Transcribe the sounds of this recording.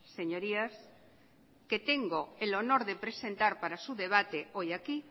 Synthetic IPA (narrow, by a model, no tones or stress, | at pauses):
seɲoɾias | ket̪eŋɡoelo̞noɾðepɾesẽ̞nt̪aɾpaɾasuðeβ̞at̪eojaki